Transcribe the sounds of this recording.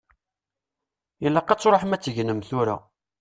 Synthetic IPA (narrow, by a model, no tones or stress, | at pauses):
ilːæqɑt͡sːɾoħmæt͡sːəʝnəmθʊɾa̰